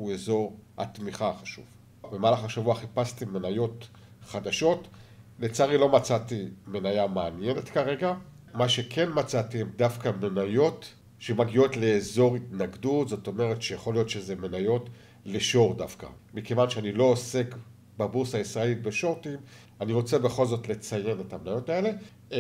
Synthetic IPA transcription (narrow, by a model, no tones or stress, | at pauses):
uezo̞ʁa̰tmiχaχaʃṵv | bemaːlaχaʃavuaχipastimenajo̞t | χad̪aʃo̞tlet͡saʁilo̞mat͡sat̪ime̞najameanjenetkaʁe̞ɡa | maʃe̞kʰe̞nmat͡satiemdafkame̞najo̞t | ʃemaɡio̞tle̞ːzo̞ʁitnaɡdutzo̞to̞me̞ʁetʃejaχo̞lijo̞tʃezeme̞najo̞t | leʃo̞ʁdafka̰ | mike̞vanʃeanilo̞ːse̞k | babuʁsaisʁaelitbe̞ʃo̞ʁtim | aniʁo̞t͡se̞be̞χo̞lzo̞tle̞t͡saje̞ne̞tamenajo̞tae̞le̞